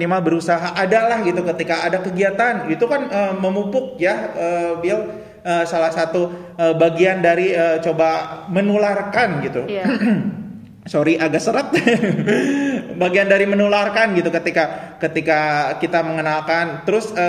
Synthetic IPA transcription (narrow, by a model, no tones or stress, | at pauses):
nimalbəɾusaɦaʔadalahɡit̪ukət̪ikaːdakəɡiat̪anit̪ukanəməmupʊk̚jaəːbial | əːsalahsat̪u | əbaɡiandaɾiət͡ʃobamənularkanɡit̪u | soɾiʔaɡaʔsəɾət̪̚ | baɡiandaɾimənularkanɡit̪ukət̪ika | kət̪ikakit̪aməŋənalkant̪əɾʊsə